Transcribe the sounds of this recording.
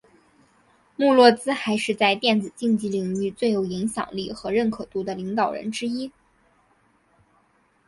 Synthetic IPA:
mu˥˧lwɔ˥˧t͡sɹ̩˥xa˧˥ɪʂɻ̩˥˧t͡sa˥˧ɪt̪jɛ˥˩nt͡sɹ̩˨˩t͡ɕi˥˧ŋt͡ɕi˧˥li˨˩ŋy˧˥˧t͡swe˥˩ɪjo˨˩ʊi˧˥ŋɕjɑ̰˨˩ŋli˥˩xɤ˧˥ɻə˥˩nkʰɤ˨˩t̪u˥˩d̪ə˧li˧˥ŋt̪ɑ˨˩ʊɻə̰˧˥nʈ͡ʂɻ̩˥i˥

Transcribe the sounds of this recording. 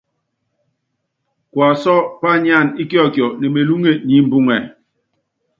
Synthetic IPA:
kwa˨sɔ˦pa˦ɲa˦˨ni˦kjɔ˦˨kjɔ˨nɛ˨me˨lu˦ŋe˦˨ɲi˨˦m̩˦bu˦ŋɛ˨

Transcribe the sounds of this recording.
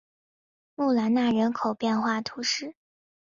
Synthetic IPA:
mu˥˩la˧˥nna˥˩ɻə˧˥nkʰo˨˩ʊpjɛ˥˧nxwa˥˩t̪ʰu˧˥ʂɻ̩˥˩

